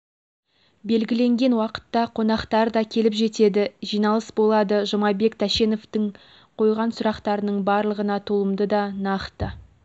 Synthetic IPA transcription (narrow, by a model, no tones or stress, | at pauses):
be̞lɡʲɪle̞ŋɡʲe̞nwɑqə̥t̪ːɑqʰo̞nɑqt̪ɑɾd̪ɑkʲʰe̞lɪpʒe̞t̪e̞d̪ɪʒijnɑlˠəsbo̞lˠɑd̪əʒomɑbe̞kt̪ʰæʃe̞no̞ft̪ɪɴ | qʰo̞jʁɑnsʊɾɑqt̪ɑɾənəɴbɑɾlˠəʁənɑt̪ʰolˠəmd̪əd̪ɑnɑqt̪ə